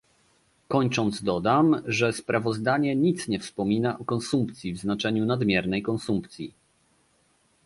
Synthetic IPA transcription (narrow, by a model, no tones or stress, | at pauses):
kɔɲt͡ʂɔnd̪zd̪ɔd̪amʐɛspɾʔavɔzd̪aɲɛɲit̪sɲɛfspɔmʲinaʔɔkɔnsumpt̪sʲjivznat͡ʂɛɲunad̪mʲjɛɾnɛjkɔnsumpt̪sʲji